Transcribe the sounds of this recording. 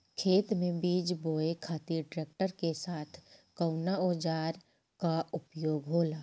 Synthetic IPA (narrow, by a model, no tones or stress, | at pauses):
kʰeːt̪mẽbiːd͡ʒboːekʰaːt̪iɾɖɾeːk̚ʈəɾkesaːt̪ʰkəʊnaoːd͡ʒaːɾ | kaʊpjoːɡɦoːlaː